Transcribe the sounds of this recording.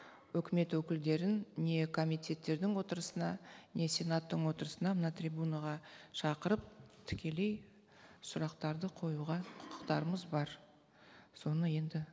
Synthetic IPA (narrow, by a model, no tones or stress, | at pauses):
wɵkʲɪme̞t̪wɵkʲɪld̪e̞ɾɪnne̞kʰo̞mijt̪ʰʲe̞t̪ːe̞ɾd̪ɪŋwo̞t̪əɾəsənɑnʲe̞sʲe̞nat̪ːəɴwo̞t̪əɾəsənɑmənɑt̪rʲibunaʁɑʃɑqəɾəp̚t̪ʰʏ̥kʲe̞le̞j | sʊɾɑqt̪ɑɾd̪əqʰo̞juʁɑqʰʊ̥qʰə̥qt̪ɑɾəməzbɑɾ | so̞nəje̞nd̪ɪ